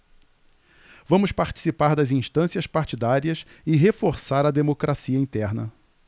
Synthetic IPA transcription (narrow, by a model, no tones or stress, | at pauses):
vɐ̃mʊspaɾt͡ʃi̥sipaɾd̪ɐzĩʃt̪ɐ̃siɐspaɾt͡ʃid̪aɾiɐs | ɪɦefoɾsaɾɐd̪emokɾʔasiɐĩnt̪ɛɾnɐ